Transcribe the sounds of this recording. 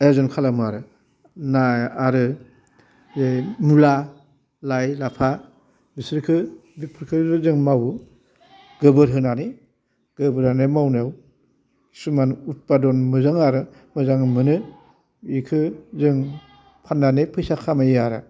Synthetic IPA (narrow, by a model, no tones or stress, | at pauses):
ezɔnkʰalamuaɾɯ | naaɾɯ | zemula | lajlapʰa | bisɾkʰɯbipʰɯɾkʰɯzɯŋmaw | ɡ̥ɯbɯɾɦɯnani | ɡ̥ɯbɯɾanemawnew | sumanut̚padɔnmɯzaŋaɾɯ | mɯzaŋmɯnɯ | ikʰɯzɯŋ | pʰanːanipʰɯjsakʰamajaɾa̰